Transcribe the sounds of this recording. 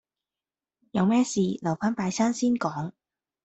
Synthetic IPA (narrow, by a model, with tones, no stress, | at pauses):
jɐ˧wmɛː˥siː˧lɐ˨˩wfaː˥npaː˧jsaː˥nsiː˥nkɔː˨˥ŋ